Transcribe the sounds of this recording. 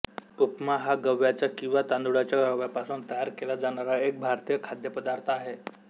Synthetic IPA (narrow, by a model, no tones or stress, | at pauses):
upmaɦaɡəʋjat͡ɕakĩw̃ʋat̪and̪uɽat͡ɕjaɡəʋjapasuːnt̪əjaɾkelad͡zaɽ̃aɾaek̚bʱaɾt̪ijəkʰad̪jəpəd̪aɾt̪ʰaɦe